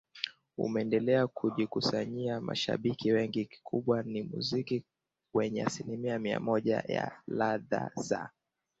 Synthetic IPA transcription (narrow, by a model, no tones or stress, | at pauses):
ṵmɛɛndɛlɛakʰuʄikusaɲiama̰ʃa̰ɓikiwɛŋɡiki̥kʰuɓwanimṵziki | wɛɲɛasilimiamia̰mɔʄa̰ja̰laða̰za